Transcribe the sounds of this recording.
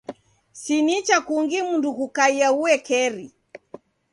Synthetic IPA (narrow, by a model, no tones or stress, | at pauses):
sinit͡ʃakuŋɡimundukukaiauwɛkɛɾi